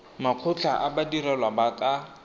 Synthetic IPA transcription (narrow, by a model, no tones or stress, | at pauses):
maq͡χʰʊt͡ɬʰaʔabadiɾɛlwabakʼa